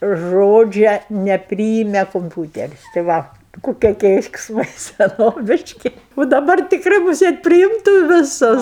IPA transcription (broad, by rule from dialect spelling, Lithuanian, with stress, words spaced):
ˈʒoːd͡ʒʲɛ nʲɛˈpʲrʲiːɪmʲɛ kʊmʲˈpʲuːtʲɛrʲɪs tɐɪ ˈʋɐ kʊˈkʲiɛ kʲɛɪksˈmɐɪ sʲɛˈnoːʋʲɪʃʲkʲɪ ʊ dɐˈbɐr tʲɪkˈrɐɪ mʊˈsʲeːt pʲrʲɪˈɪmtuː ʋʲɪˈsʊs